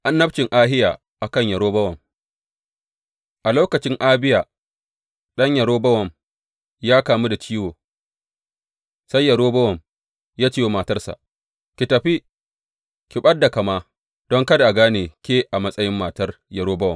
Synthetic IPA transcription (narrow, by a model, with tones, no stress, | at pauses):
ʔa˦nːɐ˦b̚t͡ʃɪ˨ŋʔaː˦ɦɪ˦jaː˨ | ʔa˨kɐ˦˨ɲjɐ˨ɾoː˦bɐ˦wɐ˨m | ʔa˨loː˦kɐ˨t͡ʃɪ˦ŋʔaː˦bɪ˦jaː˨ | ɗɐ˦ɲjɐ˨ɽoː˦bɐ˦wɐ˨m | jaː˦kaː˨mu˦da˨t͡ʃiː˦woː˨ | sɐ˦jːɐ˨ɾoː˦bɐ˦wɐ˨m | jaː˦t͡ʃiː˦jwo˦maː˨tɐ˦rsa̰˨ʔ | kʲi˨tɐ˨ɸi˦ | kʲɪ˨ɓɐ˦dːa˨kɐ˨maː˦ | d̥ɔ˦ŋkɐ˦da˨ʔa˨ɡaː˦neː˨kʲeː˦ʔa˨mɐ˦sʼɐ˦jɪ˦mːaː˨tɐ˦r | jɐ˨ɽoː˦bɐ˦wɐ˨